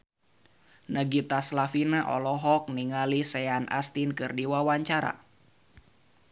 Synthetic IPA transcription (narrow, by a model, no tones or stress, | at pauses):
nəɡit̪aslafinaʔɔ̰lɔɦɔk̚niŋalisɛanʔa̰st̪inkɨrdiwawaɲt͡ʃaɾa̰